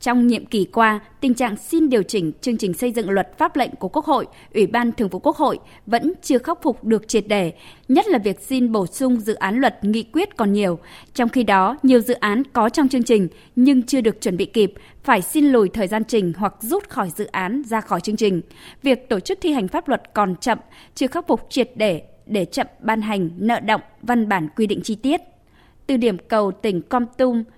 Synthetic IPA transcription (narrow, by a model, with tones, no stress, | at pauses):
t͡ɕɔ˧wŋ͡mɲḭ˧˨əmki˧˩kwaː˧t̪ï˨˩ŋ̟t͡ɕa̰ː˧˨ŋsi˧nɗi˨˩əwt͡ɕï˧˩ŋ̟t͡ɕɨ˧əŋt͡ɕï˨˩ŋ̟sə˧jzɨ̰˧˨ŋlwə˨˩t̚faː˦˥p̚lə̰˧˨jŋ̟ku˧˩ku˦˥k̚ho̰˧˨j | ʔwi˧˩ɓaː˧nt̪ʰɨ˨˩əŋfu˧˩ku˦˥ək̚ho̰˧˨j | və̰˧˥nt͡ɕɨ˧əxa˦˥wk͡p̚fʊ˨˩k͡p̚ɗɨ˨˩ək̚t͡ɕi˨˩t̚ɗe˧˩ɲə˦˥t̚laː˨˩vi˨˩ək̚si˧nɓo˧˩sʊ˧ŋ͡mzɨ̰˧˨ʔaː˨˦nlwə˨˩t̚ŋḭ˧˨kwi˦˥ət̚kɔ˨˩nɲi˨˩əwt͡ɕɔ˧wŋ͡mxi˧ɗɔ˨˦ɲi˨˩əwzɨ̰˧˨ʔaː˨˦nkɔ˨˦t͡ɕɔ˧wŋ͡mt͡ɕɨ˧əŋt͡ɕï˨˩ŋ̟ | ɲɨ˧ŋt͡ɕɨ˧əɗɨ˨˩ək̚t͡ɕwə˧˩nɓḭ˧˨ki˨˩p̚ | faː˧˩jsi˧nlu˨˩jt̪ʰəː˨˩jzaː˧nt͡ɕï˨˩ŋ̟ɦwa˨˩k̚zu˦˥t̚xɔ˧˩jzɨ̰˧˨ʔaː˨˦nzaː˧xɔ˧˩jt͡ɕɨ˧əŋt͡ɕï˨˩ŋ̟vi˨˩ək̚t̪o˧˩t͡ɕɨ˦˥k̚t̪ʰi˧ɦa˨˩jŋ̟faː˦˥p̚lwə˨˩t̚kɔ˨˩nt͡ɕə̰˧˨mt͡ɕɨ˧əxa˦˥wk͡p̚fʊ˨˩k͡p̚t͡ɕwi˨˩ət̚ɗe˧˩ɗe˧˩t͡ɕə̰˧˨mɓaː˧nɦa˨˩jŋ̟nə̰ː˧˨ɗə̰˧˨wŋ͡mva˧nɓaː˧˩nkwi˧ɗḭ˧˨ŋ̟t͡ɕi˧t̪i˦˥ət̚ | t̪ɨ˨˩ɗi˧˩əmkə˨˩wt̪ï˧˩ŋ̟kwa˧mt̪ʊ˧m